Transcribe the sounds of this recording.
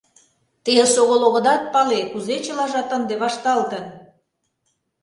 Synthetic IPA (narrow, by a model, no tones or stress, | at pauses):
t̪eʃoɣoloɣə̆d̪ɑt̪̚pɑlekuzet͡ɕəlɑʒɑt̪ənd̪eβɑʃt̪ɑlt̪ə̆n